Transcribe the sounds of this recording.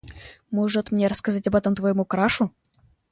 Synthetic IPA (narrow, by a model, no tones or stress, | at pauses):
moʐɨt̪mnʲeɾəskɐzatʲɐbɛt̪əmt̪vɐjɪmukɾaʂʊ